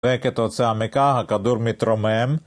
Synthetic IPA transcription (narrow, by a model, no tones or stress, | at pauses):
ɛkɛt̪ot̪t͡sʰɛamɛkaɦakad̪uɾmit̪ɾɔmɛm